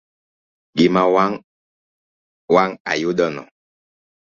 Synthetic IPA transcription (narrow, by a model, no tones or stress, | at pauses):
ɡimawaŋ | waŋa̰judɔnɔ̰